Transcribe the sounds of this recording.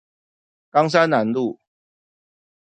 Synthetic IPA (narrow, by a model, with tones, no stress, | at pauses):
kɑ˦ŋs̬a˦nna˨˦nlu˥˨